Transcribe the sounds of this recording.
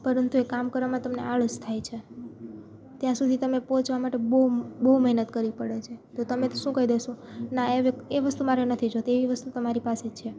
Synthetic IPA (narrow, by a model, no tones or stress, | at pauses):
pəɾənt̪uekamkəɾʋamãt̪əmnḛaɭust̪ʰajt͡ʃʰe | t̪jãsud̪ʱit̪əmepɔ̃t͡ʃʋamaʈebəubəɦuməɦnət̪kəɾipəɽet͡ʃʰet̪ot̪əmet̪oʃũkəid̪esõnaeʋeeʋəst̪umaɾenət̪ʰid͡ʒot̪eeʋiʋəst̪ut̪əmaɾipaset͡ʃʰe